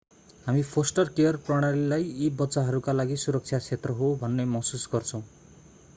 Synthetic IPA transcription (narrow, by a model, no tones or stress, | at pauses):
ɦamipʰosʈʌrkejʌrprʌɽ̃alilajibʌtːt͡saɦʌɾukalaɡisuɾʌk̚t͡sʰjat͡sʰet̪rʌɦobʱʌnːemʌsusɡʌrt͡sʰʌ̃w̃